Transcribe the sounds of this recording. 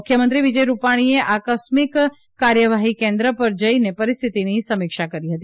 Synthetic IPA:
kʰːjəmənt̪ɾiʋid͡ʒəjɾupaɽ̃ieʔakəsmɪk | kːaɾjəʋaɦikẽnd̪ɾəpəɾd͡ʒəinepəɾist̪ʰit̪inisəmɪkʃakəɾiɦət̪i

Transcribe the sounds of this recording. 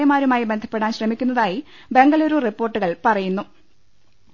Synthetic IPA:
jɐmaːɾumaːjibe̞nd̪ʱʰɐpːe̞ɽaːnɕrɐmikʲːunːɐðaːji | be̞ŋɡɐloɾuripːo̞ːrʈːuɣɐɭpɐrɐjunːu

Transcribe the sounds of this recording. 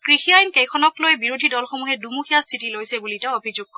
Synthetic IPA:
kɹixiajnkɛjkʰɔnɔklojɛbiɹodʱidɔlxomuɦɛdumuxʰijastʰitilojsɛbulitaobʱizuɡ̚kɔ

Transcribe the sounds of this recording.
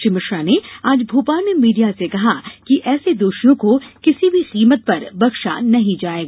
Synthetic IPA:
ʃɪmɪʃɾaneaːd͡ʒbʱuːpaːmemiːɖijasekɐɦakiʔɛːsed̪oːʃnõkokɪsibʱiqiːmət̪̚pɐɾbɐkʃa̰nɐɦĩd͡ʒaːeːɡaː

